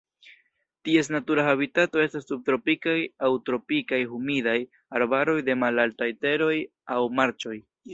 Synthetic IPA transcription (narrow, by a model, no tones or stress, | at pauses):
tie̞s̬natuɾaɦaβitato̞e̞stasːub̚tɾo̞pikajawtɾo̞pikajɦumidaj | aɾbaɾo̞jde̞malaltajte̞ɾo̞j | awmaɾt͡ʃo̞j